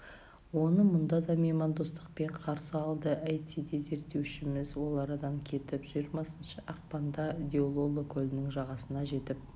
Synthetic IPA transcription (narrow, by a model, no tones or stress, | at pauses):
wo̞nəmʊnd̪ɑd̪ɑmemɑnd̪ost̪əqpe̞ɴqʰɑɾsəɑlˠd̪əʔæjt̪id̪eze̞ɾt̪ːe̞wʃɪmɪzwo̞lˠɑɾɑd̪ɑŋkʲʰe̞t̪ɪpʒ̥ijɾmɑsənʃəʔɑq̚pɑnd̪ɑd̪ʲeolˠo̞lˠokʲʰɵlɪnɪŋʒɑʁɑsənɑʒe̞t̪ɪp̚